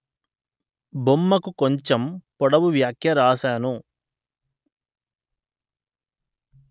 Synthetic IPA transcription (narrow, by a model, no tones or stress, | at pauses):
bomːɐkukoɲt͡ʃempɔɽɐʋuʋjaːkʰjɐɾaːʃaːnu